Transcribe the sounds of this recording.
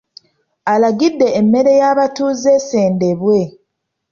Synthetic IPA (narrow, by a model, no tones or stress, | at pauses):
alaɡidːe̞ːmːe̞ɾe̞jaːβatuːze̞seːnde̞βwe̞